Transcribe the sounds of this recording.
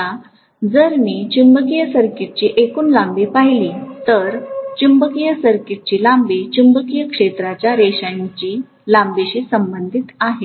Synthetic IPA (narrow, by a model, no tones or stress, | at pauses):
a | d͡zəɾmiːt͡ɕimbəkijəsəɾkiʈ̚t͡ɕiːʔekuːnlambipaɦjliːt̪əɾt͡ɕimbəkijəsəɾkiʈ̚t͡ɕiːlambit͡ɕimbəkijəkʂet̪ɾat͡ɕjaɾeɕajɲt͡ɕiː | lãmbiɕiːsəmbənd̪ʱit̪aɦe